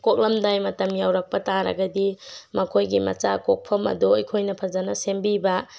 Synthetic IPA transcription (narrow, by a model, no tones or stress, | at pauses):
kok̚lɐmdajmɐtɐmjawɾɐk̚pɐtaɾɐ̰ɡɐdimɐkʰojɡimɐ̰t͡ʃakok̚pʰɐmɐ̰dujkʰojnɐpʰɐzanɐsembibɐ